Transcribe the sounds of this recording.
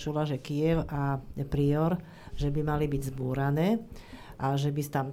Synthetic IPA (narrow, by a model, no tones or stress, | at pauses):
t͡ʃulaʒɛkijɛʊapɾiɔɾ | ʒɛbimalibiɟzbuːɾanɛːʔaʒɛbist̪am